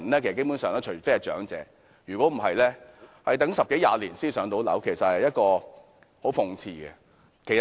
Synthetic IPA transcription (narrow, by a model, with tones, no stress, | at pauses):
nlɛː˥kʰskpu˨˧˥sœː˨ŋnɛː˥t͡ʃʰɵ˨˩˨fe˥˨t͡ʃœ̰ː˨˥ŋt͡sɛ̰ː˨˥ | jyː˨kɔ˨˥m̩˨˩ɦɐ˨jlɛː˥hɐ˨˧jt̪ɐ˨˥ŋsɐ˨p̚ke˨˥jaː˧liː˨˩nsiː˥nsœː˨˥ŋt̪o˨˥wlɐ̰˨˥wkʰe˨˩jsɐ˨t̚hɐ˨jːɐ˥t̚kɔː˧ | ho˨˥wfʊ˨˧ŋt͡sʰiː˧ɡɛ̰˧ | kʰe˨˩j